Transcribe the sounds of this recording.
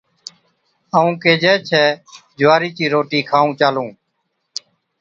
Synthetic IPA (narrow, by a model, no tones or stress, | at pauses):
əũːkeːd͡ʒɛːt͡ʃʰɛːd͡ʒʱʋaːɾiːt͡ʃiːɾoːʈiːkʰaːũːt͡ʃaːlũː